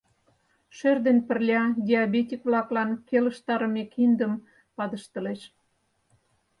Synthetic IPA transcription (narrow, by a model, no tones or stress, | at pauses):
ʃørd̪enpərlʲɑdʲeɑbetʲikβlɑklɑnkelə̆ʃt̪ɑɾəmekind̪əm | pɑd̪əʃt̪ə̆leʃ